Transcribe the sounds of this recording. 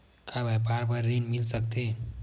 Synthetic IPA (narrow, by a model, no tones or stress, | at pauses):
kʰabʱapaɾpəɾːeɳmilsək̚t̪e